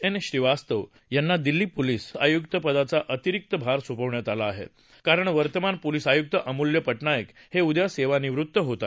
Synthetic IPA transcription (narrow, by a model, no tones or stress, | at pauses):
enɕɾiʋast̪əʋ | janːad̪ilːiːpoliːsa̰jukt̪əpəd̪at͡saʔət̪iɾik̚t̪əbʱaɾsupəʋɳjat̪alaːɦḛt̪ | kaɾəɳʋəɾt̪əmanpolisajuk̚t̪əʔəmuljəpəʈɳajək | heud̪jaseʋaniʋɾut̪ːəɦot̪a